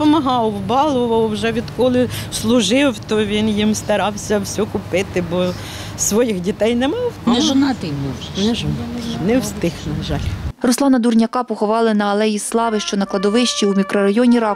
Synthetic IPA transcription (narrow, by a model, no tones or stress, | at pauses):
pɔmɐɦɑwwbɑlˠʊʋɐwwʒɛʋʲid̪kɔlˠɪslˠʊʒɪwt̪ɔʋʲinjimst̪ɐɾɑwsʲɐwsʲukʊpɪt̪ɪbɔ | sʋɔjixdʲit̪ɛjnɛmɑwnɛʒɔnɑt̪ɪjnɛ | nɛʒɔnɑt̪ɪjnɛwst̪ɪxnɐʒɑlʲrɔslˠɑnɐd̪urnʲɐkɑpɔxʊʋɑlˠɪnɐɐlˠɛjislˠɑʋɪʃt͡ʃɔnɐklˠɐd̪ɔʋɪʃt͡ʃiumʲikɾɔɾɐjɔnʲiɾɑ